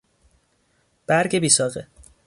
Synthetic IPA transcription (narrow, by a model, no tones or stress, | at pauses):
b̥æɾɟebiːsɒːɣe